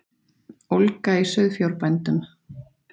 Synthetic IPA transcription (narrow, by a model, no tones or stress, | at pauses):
owlkaisœðfjawɾpajnt̪ʏm